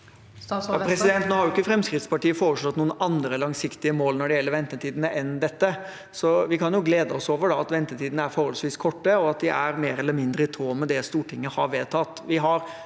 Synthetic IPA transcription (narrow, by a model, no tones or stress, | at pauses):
ɑpʰɾɛsɪd̪ɛnt̪nɔːhɑɾjʊɪkːəfɾɛmskɾɪt̪spɑʈiːəfoːɾəʂɭɔt̪ːnuːənɑnd̪ɾəlɑŋsɪkt̪ɪəmoːlnɔɖɛjɛlːəɾʋɛnt̪ət̪ʰiːd̪ənəʔɛnd̪ɛt̪ːə | sɔʋɪkʰɑnjʊɡleːd̪əɔsoːʋəɖɑɑt̪ʋɛnt̪ət̪ʰiːd̪ənəæɾfɔɾhɔlsʋiːskʰɔʈːəɔɑt̪̚d̪ɪʔæɾmeːɾɛlːəɾmɪnd̪ɾəɪt̪ʰɾoːmɛd̪ɛst̪uːʈɪŋːəhɑɾʋeːt̪ʰɑt̪ːʋɪɦɑɾ